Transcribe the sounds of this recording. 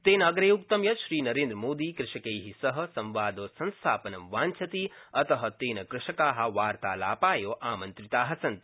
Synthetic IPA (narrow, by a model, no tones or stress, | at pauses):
t̪eːnɐɡɾeːuk̚t̪ɐmjɐʃɾiːnɐɾẽːnd̪ɾɐmoːd̪iːkɾɪʃɐkejɦisɐɦɐ̆sɐ̃mʋaːd̪oːsɐ̃nst̪ʰa̰ːpɐnɐmʋaːnt͡ʃʰɐt̪iɐt̪ɐɦɐ̆t̪eːnɐkɾɪʃɐkaːɦɐ̆ʋaːɾt̪aːla̰ːpaːjoːʔaːmɐnt̪ɾit̪aːɦɐsɐnt̪